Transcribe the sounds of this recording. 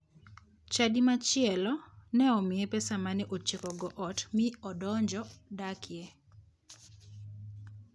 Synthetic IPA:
t͡ʃadimat͡ʃɪɛlɔnɛɔmɪepɛsamaneʔot͡ʃekɔɡɔʔɔtmɪɔdɔɲd͡ʒɔdakʰɪe

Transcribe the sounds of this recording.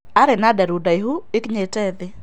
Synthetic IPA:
aɾɛnadɛɾudajɦuɪkɲetɛd̪ɪ

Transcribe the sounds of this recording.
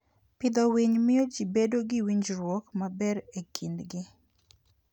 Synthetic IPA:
pɪd̪ɔwiɲmɪjɔd͡ʒibedoɡɪwiɲd͡ʒɾwɔkmabɛɾekʰindɡɪ

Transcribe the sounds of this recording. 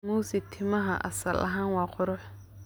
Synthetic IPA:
muːsɪt̪ʰɪmɐɦɐ̰ʔɐ̰sɐlʔɐ̰ɦaːnwɑːqʊɾʊħ

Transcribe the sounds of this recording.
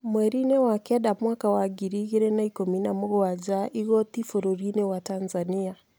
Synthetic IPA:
mwɛɾinɛwakɛɗamwaːkawaɡiɾiɣeɾɛnaikominamoɣoad͡ʒaʔiɣɔt̪ifoɾoɾinewatanzania

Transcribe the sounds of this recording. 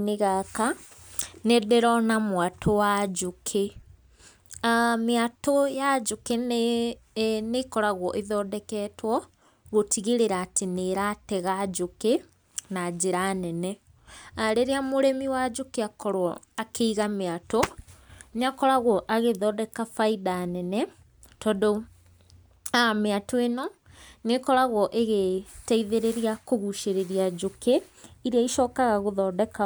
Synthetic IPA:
neɣaka | nedɛɾɔnamwatʰɔwad͡ʒukʰe | meatojad͡ʑuken | nekɔɾaɣwɔʔeðɔːdɛkɛːtʰwɔ | ɣotʰiɣeɾeɾaːteneɾatɛɣad͡ʑuke | nad͡ʑeɾanɛnɛ | aɾeɾeamoɾemiwad͡ʑokeakɔɾwɔakʰeiɣameato | neakɔɾaɣɔʔaɣeðɔdɛkafaidanɛnɛ | tɔdo | ameatoenɔnekɔɾaɣwɔʔeɣetaiðeɾeɾiakoɣuʃeɾeɾiad͡ʑoke | iɾeaiʃɔːkaɣaɣoðɔːdɛka

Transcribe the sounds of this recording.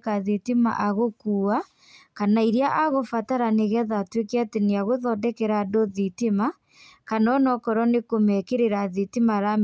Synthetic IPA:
kaðitima̰ʔaɣokuːa | kanaiɾjaʔaɣofataɾaneɣɛðatwekeateneaɣoðɔdɛkɛɾadoðitima | kanɔnɔkɔɾɔnekomɛkeɾeɾaðitimaɾam

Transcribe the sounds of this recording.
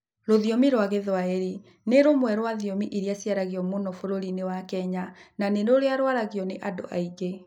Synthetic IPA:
ɾoðiomiɾwaɣeðwaeɾi | neɾomwɛɾwaðiomiʔiɾiasiaɾaɣiɔmonɔfoɾoɾinewakɛɲananenoɾeaɾwaɾaɣjɔneʔado̰ʔa̰iɣe

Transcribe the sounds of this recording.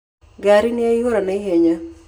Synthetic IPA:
ɡaɾɪnɪajuɾanaɦeɲa

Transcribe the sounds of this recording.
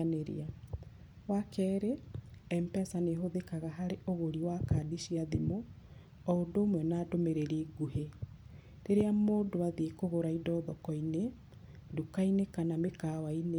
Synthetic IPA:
neɾḭa | wakɛːɾeɛmpɛsaneɦoðekaɣaɦaɾeʔoɣoɾiwakadiʃiaðimo | ɔodoːmwɛnaːdomeɾeɾiɡuhe | ɾeɾeamoːndoaðiekoɣoɾaidɔːðɔkɔine | dukainekanamekawaine

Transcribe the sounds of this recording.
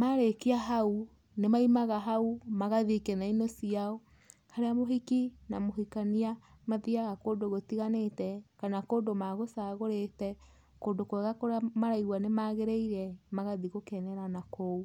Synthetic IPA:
maɾekiaɦau | nemaimaɣaɦaumaɣaðikɛnainosiaɔ | haɾeamoɦikinamoɦikaniamaðiaɣakoːdoɣotiɣanetɛkanakoːdomaɣosaɣoɾetɛ | koːndokwɛɣakoɾeamaɾaiɣwanemaɣeɾeiɾɛmaɣaðiɣokɛnɛɾanakou

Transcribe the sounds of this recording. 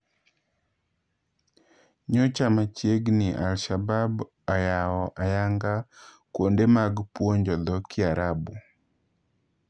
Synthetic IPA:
ɲɔt͡ʃamat͡ʃjeɡnɪʔalʃabab | ajawɔʔajaŋɡa | kwondemaɡpwoɲd͡ʒɔd̪ɔkʰɪaɾabu

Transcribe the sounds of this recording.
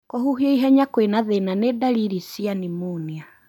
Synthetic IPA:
kohuɦieiɦɛɲakwenaðenanedaɾiɾisianimunia

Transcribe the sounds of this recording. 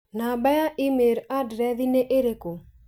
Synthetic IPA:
nabɛjaʔɪmeɾadɾɛðineʔeɾeko

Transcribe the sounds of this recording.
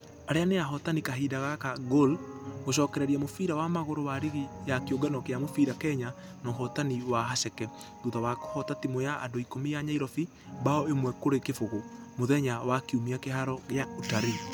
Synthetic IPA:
aɾeaneaɦɔtanikaɦiːdaɣakaɡolɣoɕ̬ɔːkɛɾɛɾiamofiɾawamaɣoɾowaɾiɣijakeoɡɛnɔkeamofiɾakɛɲa | nɔɦɔtaniwaɦaʃɛkɛ | ðuðawako̥hɔtatimojaʔa̰doikomijaɲaiɾɔfi | baɔemwɛkoɾekefoɣo | moðɛɲawakeumiakeɦaɾɔɣeautaɾi

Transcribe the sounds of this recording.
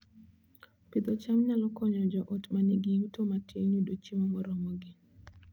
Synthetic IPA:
pɪd̪ɔt͡ʃamɲalɔkɔɲɔd͡ʒɔʔotmaneɡɪjutomatjeɲudot͡ʃimɔmɔɾɔmɔɡɪ

